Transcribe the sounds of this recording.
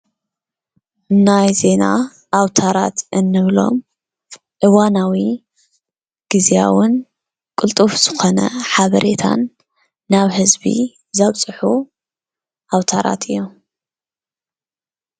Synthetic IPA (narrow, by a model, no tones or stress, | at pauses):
najze̞na̰ | ʔːwt̪ʰaɾa̰t̪ɨnːɨβlo̞̰m | ʕɨwanawi | ɡ̥ɨzia̰wʊn | kʼɨlt̪ʼufz̥ɨxo̞nɐ̰ħaβɐɾʔe̞t̪ʰa̰nː | aβhɨzbḭ | zaβt͡sʼɨħu | ʔawt̪ʰaɾʔa̰t̪ʰɨjːo